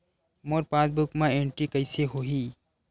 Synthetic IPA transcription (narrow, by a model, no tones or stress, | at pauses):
moːɾpãːsbʊkmãeːɳʈɾikəɪseɦoːɦi